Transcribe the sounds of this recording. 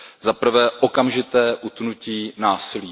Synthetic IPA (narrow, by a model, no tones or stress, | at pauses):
zapr̩vɛːʔokamʒɪt̪ɛːʔut̪nuciːnaːsɪliː